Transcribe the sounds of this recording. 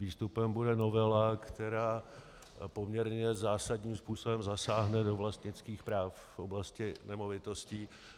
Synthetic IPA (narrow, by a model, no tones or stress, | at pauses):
iːst̪upɛmbudɛno̞vɛlakt̪ɛɾaː | po̞mɲɛɾɲɛzaːsadɲiːmspuːso̞bɛmzasaːɦnɛdo̞vlast̪ɲɪt͡skiːxpɾaːfːʔoblascɪnɛmo̞vɪt̪o̞sciː